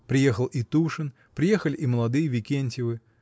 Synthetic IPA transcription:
pɾʲɪjexəlˠit̪uʂɨn | pɾʲɪjexəlʲɪʔiməlˠɐd̪ɨjəvʲɪkʲenʲtʲɪvɨ

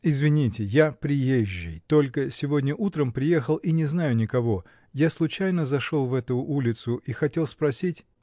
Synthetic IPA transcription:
ɪzvʲɪnʲitʲɪjapɾʲɪjeʑːɪ̰jt̪o̞lʲkəsʲɪvo̞dʲnʲəʔut̪ɾəmpɾʲɪje̞xəlˠinʲɪznajʊnʲɪkɐvo̞ | jaslˠʊt͡ɕæjnəzɐʂolˠvɛt̪ʊʔulʲɪt̪sʊʔixɐtʲe̞lˠspɾɐsʲitʲ

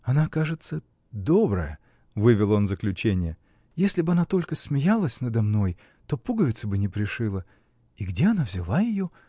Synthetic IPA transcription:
ɐnakaʐɨt̪sə | d̪o̞bɾə̰jə | vɨvʲɪlˠo̞nzəklʲʉt͡ɕenʲɪjə | jesʲlʲɪbɨɐnat̪o̞lʲkəsmʲɪjalˠəsʲnəd̪ɐmno̞j | t̪o̞puɡəvʲɪt̪səbɨnʲɪpɾʲɪʂɨlˠə | iɡdʲe̞ɐnavzʲɪlˠajɪjo̞

